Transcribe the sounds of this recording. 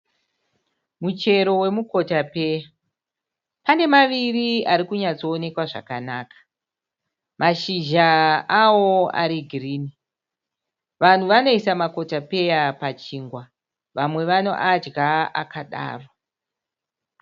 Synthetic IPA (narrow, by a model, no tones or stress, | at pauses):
mut͡ʃe̞ɾo̞we̞muko̞tape̞ːja | pane̞maʋiriaɾikuɲat͡so̞ːne̞kwaʐa̰kanaːkḁ | mʔaʃiʒaawo̞a̰ɾiɡʱiriːni | ʋan̤uʋano̞isamako̞tape̞japat͡ʃiːŋɡwa | ʋamwe̞ʋano̞̰ʔad͡ʒɡaa̰kaɗa̰ːrwa